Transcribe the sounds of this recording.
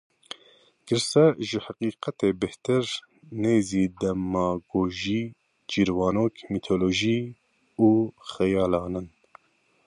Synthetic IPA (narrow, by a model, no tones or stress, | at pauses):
ɡ̥ɨɾsɛʒɪhaqiːqɛt̪eːbɪht̪ɨɾ | neːziːd̪ɛmɑːɡoːʒiː | d͡ʒiːɾwɑːnoːkmit̪ʰoːloːʒiː | uːxɛjɑːlɑːnɨn